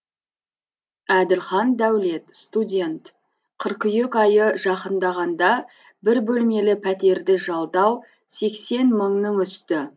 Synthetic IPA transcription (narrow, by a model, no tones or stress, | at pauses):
æd̪ɪlχɑnd̪æwle̞t̪st̪udʲe̞nt̪ | qʰəɾqʏjekɑjəʒɑqənd̪ɑʁɑnd̪ɑ | bɪɾbɵlme̞lɪpʰæt̪e̞ɾd̪ɪʒɑlˠd̪ɑw | se̞kse̞nməɴnəɴʏst̪ɪ